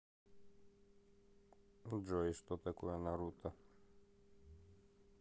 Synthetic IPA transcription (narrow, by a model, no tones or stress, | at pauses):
d͡ʒɔist̪ɔt̪ɛkujɛnaɾut̪ʰa